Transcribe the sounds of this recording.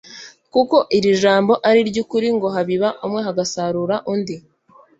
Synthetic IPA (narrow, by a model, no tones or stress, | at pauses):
kuko̞ʔiɾiʒaːmbo̞ʔaɾiɾɟuːkuɾiŋɡo̞ɦaβiβaʔumŋe̞ɦaɡasaɾuːɾaʔundi